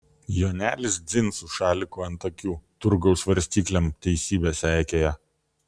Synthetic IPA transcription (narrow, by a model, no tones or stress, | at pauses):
joːnʲæːlʲɪsd̪zʲɪnˑsuʃɑːlʲɪkuːɐnt̪ɐkʲuːt̪ʊɾɡɐʊsʋɐɾʲsʲt̪ʲiːklʲɛmt̪ʲɛɪsʲiːbʲeːsæːˑkʲeːjɛ